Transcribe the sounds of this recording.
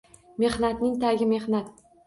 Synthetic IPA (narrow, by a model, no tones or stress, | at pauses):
me̞hnat̪nɪŋt̪ʰaɡʲɪme̞hnat̪̚